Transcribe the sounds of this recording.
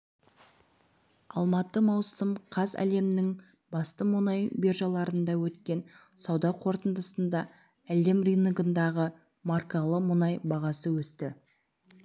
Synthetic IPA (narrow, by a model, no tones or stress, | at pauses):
ɑ̰lˠmɑt̪ːəmɑwsəmqʰɑzæ̰le̞mnɪŋ | bɑst̪əmʊnɑjberʒɑlˠɑɾənd̪ɑwɵt̪kʲe̞n | sɑwd̪ɑqʰo̞ɾt̪ənd̪əsənd̪ɑ | æle̞mrʲinɡənd̪ɑʁə | mɑrkɑlˠəmʊnɑjbɑʁɑsəwɵst̪ɪ